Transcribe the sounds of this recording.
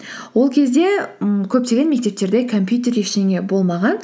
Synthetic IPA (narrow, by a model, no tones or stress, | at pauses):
wo̞lˠkʲʰe̞zd̪e̞kʲʰɵp̚t̪e̞ɡʲenme̞k̚ʲt̪e̞p̚t̪e̞ɾd̪e̞kʰompʲjut̪e̞ɾeʃneŋʲebo̞lˠmɑʁɑn